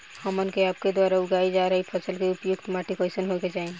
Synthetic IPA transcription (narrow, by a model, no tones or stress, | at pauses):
həmənkeaːp̚ked̪waːɾaʊɡaid͡ʒaɾəɦipʰəsəlkeupjʊkt̪maʈikɔɪsənɦoket͡ʃaĩ